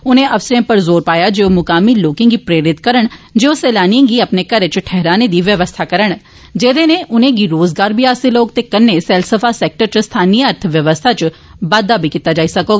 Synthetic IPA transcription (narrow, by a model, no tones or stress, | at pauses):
ʊnẽːʔəfsɾẽːpəɾzoːɾpaːjaːd͡ʒeːoːmʊkaːmiːloːkɪ̃ŋɡiːpɾeːɾɪt̪kəɾəɳd͡ʒeːoːsɛːlaːniẽːɡiːəpneːkəɾet͡ʃʈʰɛɦɾaːneːd̪iːʋjəʋəst̪ʰaːkəɾəɳ̃ | d͡ʒeːd̪eːneːʔʊnẽːɡiɾoːzɡaːɾbiːaːseloːkt̪eːkənːeːsɛːlsəpʰaːsɛːk̚ʈəɾt͡ʃəst̪ʰaːniːəɾt̪ʰʋjəʋəst̪ʰaːt͡ʃbaːd̪aːbʱiːkiːt̪aːd͡ʒaːiːsəkoːɡa